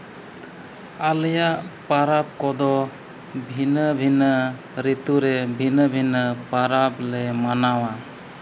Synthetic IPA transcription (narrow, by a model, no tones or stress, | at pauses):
aləjaʔpaɾap̚kɔd̪ɔ | bʱinəbʱinə | ɾit̪uɾebʱinəbʱinəpaɾablemanawa